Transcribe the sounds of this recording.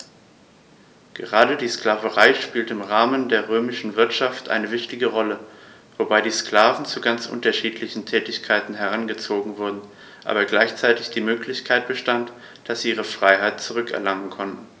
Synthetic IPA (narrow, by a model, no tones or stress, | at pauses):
ɡ̥əʁaːdədiːsklaːvəʁaɪʃpiːltəɪmʁaːməndeːɐʁøːmɪʃn̩vɪɐtʃaftʔa̰ɪnəvɪçtɪɡəʁɔlə | v̥obaɪdiːskl̥aːvn̩t͡suɡant͡sʔʊ̰ntɐʃiːtʰlɪçn̩tʰɛːtɪçkʰaɪtn̩ɦɛʁ̞anɡət͡soːɡŋ̩vʊɐdn̩ | ʔa̰ːbɐɡlaɪçt͡saɪtɪçd̥iːmøːklɪçkʰaɪt̚b̥əʃtant | d̥asz̥iːʔiːʁ̞əfʁ̥aɪɦaɪtt͡suʁʏkɛ̰ɐlaŋən̩kʰɔntn̩